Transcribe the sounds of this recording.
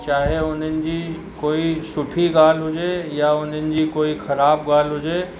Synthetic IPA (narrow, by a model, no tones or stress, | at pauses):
t͡ʃaːɦeʊnənɪ̆d͡ʑiː | koːisʊʈʰiɡaːl̤ɦʊd͡ʒejaʊn̤ənɪ̆d͡ʑiːkoːixʰɐɾaːbɡaːl̤ɦʊd͡ʒeː